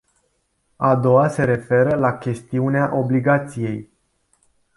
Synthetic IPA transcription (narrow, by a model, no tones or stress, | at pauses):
ad̪o̞wase̞ɾe̞fe̞ɾəlakʲe̞st̪iuneaʔo̞bliɡat̪sije̞j